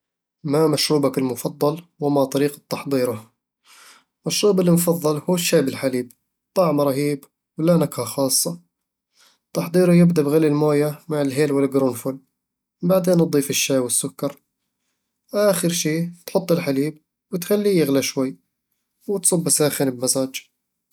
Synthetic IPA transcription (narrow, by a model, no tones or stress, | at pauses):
mamaʃɾuːbakɪlmʊfɑd̪ˤːɑlwamat̪ˤɑɾiːqɑt̪ːɑħd̪ˤiːɾʊ | maʃɾuːbɪlːimfɑðˤːɑlhuːʃːaːbɪlħaliːb | t̪ˤːɑʕmɾˤɑɦiːb | wlanakhaxɑːsˤːɑ | t̪ːɑħd̪ˤiːɾʊjɪbd̪abɣalːilmoːjamaʕɪlɦeːlwɪlɡɾuːnfʊl | baʕd̪eːnʔd̪ˤiːfɪʃːaːwɪsːʊkːɑɾˤ | ʔaːxɪɾʃiːt̪ħʊt̪ˤːɪlħaliːb̚ | wɪt̪xalːijɪɣlaʃwajː | wɪt̪sˤʊbːasaːxɪnɪbmazaːd͡ʒ